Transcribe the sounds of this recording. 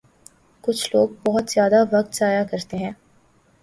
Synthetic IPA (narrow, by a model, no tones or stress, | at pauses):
kʊt͡ʃʰloːɡ̚bɔɦʊt̪zjaːd̪aʋɐk̚t̪saːjakɐɾt̪eɦɛ̃ː